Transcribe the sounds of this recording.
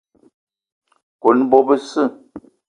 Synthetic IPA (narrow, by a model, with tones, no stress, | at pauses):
ko˨˦n˦bɔ˦bə˦sɨ˦˨